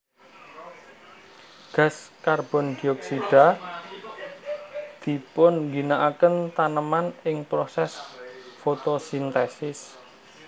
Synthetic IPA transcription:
ɡ̥ä̤skarb̥ɔ̤nd̪̥i̤ɔksiɖ̥a̤ | d̪̥i̤pʊnŋɡinaʔakənt̪anəmanɪŋpɾosɛsfot̪osint̪ɛsɪs

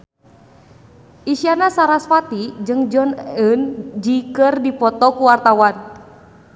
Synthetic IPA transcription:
ʔisianasaɾaspat̪id͡ʒɨŋd͡ʒɔnənd͡ʒikɨrdipɔt̪ɔkuwart̪awan

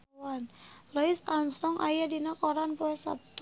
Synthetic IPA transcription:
wanləɪsamst̪ɔŋʔa̰jadinakoɾanpoɛsa̰p̚t̪u

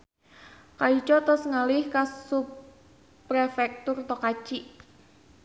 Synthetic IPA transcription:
kait͡ʃɔt̪ʊsŋalɪhkassup | ɾefɛk̚t̪ʊrt̪ɔkat͡ʃiʔ

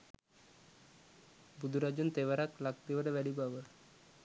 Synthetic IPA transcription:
bud̪ʱuɾad͡ʑunt̪eʋaɾaklak̚t̪iʋəɽeʋɛɽibaʋə

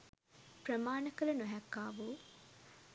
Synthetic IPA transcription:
pɾɐmaːnɐkɐlɐnuɦɛkːaːʋuː

